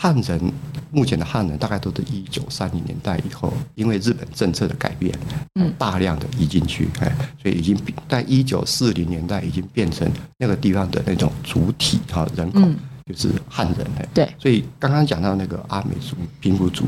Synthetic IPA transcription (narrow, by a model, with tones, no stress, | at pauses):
xa˥˩nɻə˧˥nmu˥˩t͡ɕʰjɛ˧˥nd̪ə˧xa˥˩nɻə˧˦nt̪a˥˧ka˥˩ɪt̪o˥ʂɻ̩˥˩i˦˥t͡ɕjo˨˩ʊsa˥nli˧˥njɛ̰˧˥nt̪a˥˩ɪʔḭ˨˩xo˥˩ʊi˥nwe˥˧ɻɻ̩˥˩pə˨˩nʈ͡ʂə˥˧ŋt͡sʰɤ˥˩d̪ə̰˩ka̰˨˩ɪpjɛ̰˥˩n˩˥t̪a˥˧ljɑ˥˩ŋd̪ə̰˩i˧˥t͡ɕi˥˧ŋt͡ɕʰy̰˥˩ḛ˥˩swɔ˧˥ḭ˨i˨˩t͡ɕi˥ŋpi˥t͡sa˥˩ɪʔi˥t͡ɕjo˨˩ʊsɹ̩˥˩li˧˥ŋnjɛ˧˥nt̪a˥˩ɪi˨˩t͡ɕi˦˥ŋpjɛ˥˩nʈ͡ʂʰə̰˧˥ŋna˥˩ɡə˩t̪i˥˧˩fɑ˥ŋd̪ə̰˨na˥˩ʈ͡ʂʊ̰˨˩ŋt͡su˧˥t̪ʰḭ˨˩˦ɐ̰˨ɻə˧˦˥nkʰo˨˩˦t͡ɕjo˥˧ʊʂɻ̩̰˥˩xa˥˩nɻə̰˧˦nḛ˥˩t̪e˥˩swɔ˧˥i˨˩kɑ˥ŋkɑ˥ŋt͡ɕjɑ˨˩ŋt̪ɑ˥˧ʊna˥˩ɡə̰˩ʔa˥mḛ˧˥ɪt͡su˨˥pʰi˧˥npu˧˥t͡sṵ˨˦